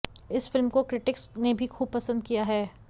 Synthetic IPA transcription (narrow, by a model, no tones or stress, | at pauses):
ɪsfɪlmkokɾɪʈɪksnebʱixuːb̚pɐsə̃nd̪̚kijaɦɛː